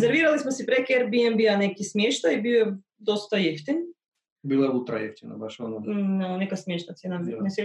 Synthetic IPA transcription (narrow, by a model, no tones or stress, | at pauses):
zɛɾviɾalˠismosipɾɛkiɛɾbiɛmbianɛkismjɛʃt̪aibiɛ | d̪ost̪ajɛft̪ini | bilˠaɛut̪ɾa̰jɛ̰ft̪ina̰baʃononanɛkasmjɛʃt̪at̪senammisi